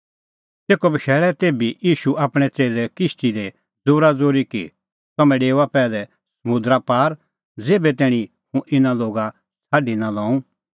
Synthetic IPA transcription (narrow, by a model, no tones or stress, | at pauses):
teːkɔbɐʃɛːɭɛt̪eːbijiːʃuʔaːpɽ̃ɛt͡seːlɛkɪstid̪e | d͡zuːɾad͡zoːɾikḭ | t̪ɐmɛ̃ɖeːʋapɛːlɛ | sɐmʊ̃d̪ɾapaːɾ | d͡zeːbɛt̪ɛːɽ̃ĩ | hũʔɪnaloːɡa | sʰaːɖinalɔ̃ːũ